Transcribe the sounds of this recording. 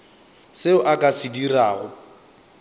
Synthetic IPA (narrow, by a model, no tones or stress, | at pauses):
sɪʊʔakʼasɪdiraːɣʊ